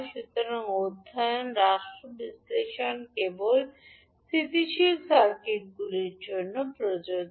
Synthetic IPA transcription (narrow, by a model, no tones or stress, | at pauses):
ʃut̪oɾoŋod̪ʱːajonɾaʃʈɾobisleʃonkebol | sit̪iʃilsaɾkeʈ̚ɡuliɾd͡ʑonːopɾod͡ʑo